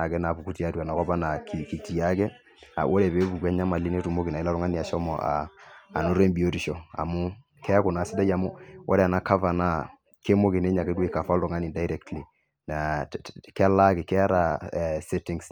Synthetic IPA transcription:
a˨kɛ˦na˨pu˨ku˦ti˨a˦tua˨na˨kɔ˦ba˦na˨ki˨ki˨ti˨a˦kɛ˦ | a̰˨wʔo˦ɾɛ˨be˦bu˨ka˦ɲa˦ma˨li˦ne˦tu˨mo˦ki˨na˨˦la˦ɾʊ˦ŋa˦ni˨a˨ʃɔ˦mɔ̰˨ʔa̰ː˨no˦ɾe˦mbi˨o˦ti˨ʃɔ˨a̰˨mʊ˦ | kɛ˦kʊ˨na˨sɪ˦da˦ja˨mʊ˦wo̰˦ɾɛ˨a˨na˨˦ka˦fa˨na˦ | ke˦mo˦ki˨ne˦ɲa˨ke˦de˨ka˨fa˦lʊ˨ŋa˦ni˨da˦i˦ɾɛ˦ktli˨ | na˨kɛ˦la˦kɪ˨kɛ˦a˦ɾa˨sɛ˦tɪ˨ŋs

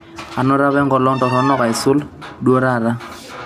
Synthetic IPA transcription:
a˨nɔ˦ɾa˦βɛ˦ŋɡɔ˨lɔ˦ntɔ˨ɾɔ˨˦nɔ˦ka˨ɪ˨sʊ˦ldwɔ˦ɾa˦˨ɾa˦

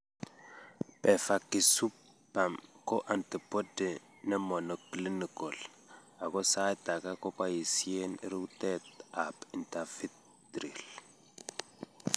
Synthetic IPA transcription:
pɛ˨fa˨ki˨su˦p | pa˨mkɔ˦ʔa˨nti˨pɔ˦dɛ˨ | nɛ˦mɔ˨nɔ˨kli˦ni˨kɔ˨l | a˨kɔ˦sa˦ta˨ka˦kɔ˦pa˦ji˨si˦e˦nḭ˦ɾu˦ktɛ˦ta˨pi˨nta˨fi˦t | dɾi˨l

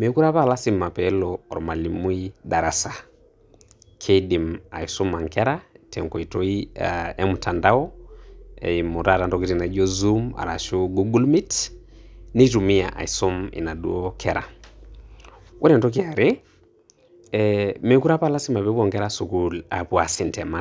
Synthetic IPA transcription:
mɛ˨˦ku˦ɾa˦pala˦si˨ma˨pɛlɔɔ̰˨ɾma˨li˨mu˦i˦ɗa˨ɾasa | kʰedi˨ma̰˨isɔ˦ma˨ŋkɛɾatɛ˨ŋkɔ˨i˨tɔ˦i˦ɛ˦mu˨tʰa˨nda˦ɔ˦ | ɛ̰˨imu˨ɾata˨ntɔki˦ti˨na˨˦d͡ʒɔ˦zu˦ma̰˨ɾa̰˨ʃo˦ɡu˦ɡu˦lmi˦t | ni˦tu˨mi˦a̰ʔa̰˨i˨sɔ˦mḭ˨na˨du˦ɔkʰɛɾa̰˨ | wʔɔ˦ɾɛ˨ntɔ˦k̬ia˨ɾe | ɛmɛ˨ku˦ɾa˦pa˦la˦si˦ma˨pɛ˦pɔŋkɛ˦ɾasu˨kulapwa˨si˨ntɛ˨ma

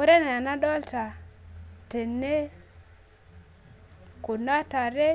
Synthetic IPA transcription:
o˦ɾe˦na˨a˨na˦ɗɔ˦lta˨ | te˨nːe˦ | ko˨na˦ta˨ɾe˦

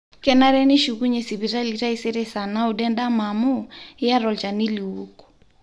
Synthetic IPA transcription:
kɛ˨na˦ɾɛ˦nɪ˦ʃu˨ku˦ɲe˨si˨βi˨ɾa˦li˨ɾa˦i˦se˦ɾe˦sa˨na˦o˨dɛ˦nda˦ma˨mo˦ɪ˦ja˦ɾɔ˨lt͡ʃa˨ni˦li˨wu˦kɔ̥˨

